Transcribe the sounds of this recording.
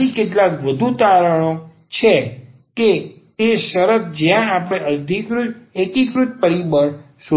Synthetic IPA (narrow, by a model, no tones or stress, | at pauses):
ikeʈlakʋəd̪ʱut̪aɾəɽ̃o | t͡ʃʰe | ke | eʃəɾət̪̚d͡ʒjãapəɽ̃eəd̪ʱikɾud͡ʒekikɾut̪̚pəɾibəɳ | ʃu